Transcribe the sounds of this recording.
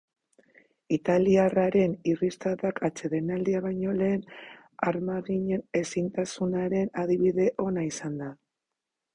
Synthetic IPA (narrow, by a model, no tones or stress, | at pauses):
it̪aliaraɾe̞nirist̪aðakʰat͡ʃe̞ðe̞nald̪iaβ̞ajɲo̞le̞ːn | aɾmaɣiɲe̞ne̞sint̪asunaɾe̞naðiβiðe̞ʔo̞naisand̪a